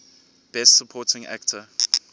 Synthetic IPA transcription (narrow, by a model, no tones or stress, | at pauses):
b̥ɛstsəpʰɔːtʰɪ̃ŋæ̰ktʰə